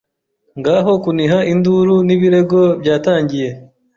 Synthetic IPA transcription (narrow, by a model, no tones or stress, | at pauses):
ŋɡaːɦo̞kuniɦaʔinduɾuniβiɾe̞ɡo̞bjaːtaːɲɟije̞